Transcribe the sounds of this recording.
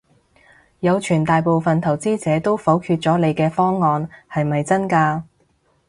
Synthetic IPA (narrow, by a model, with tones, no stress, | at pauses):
jɐ˨˧wt͡ʃʰyː˨˩nt̪aː˨jpo˨wfɐ˨nt̪ʰɐ˨˩wt͡siː˥t͡sɛː˨˥t̪o˥wfo˨˥wkʰyː˧t̚t͡sɔː˨˥le˨˧jkɛː˧fɔː˥ŋːɔː˨˧nhɐ˨jmɐ˨jt͡sɐ˥nkaː˧